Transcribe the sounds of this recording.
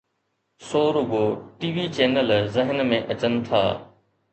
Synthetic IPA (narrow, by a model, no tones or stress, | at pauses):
soːɾʊɡoːʈiːʋit͡ɕeːnəlzɪɦənmẽʔɐt͡ɕənɪ̆t̪ʰa̰ː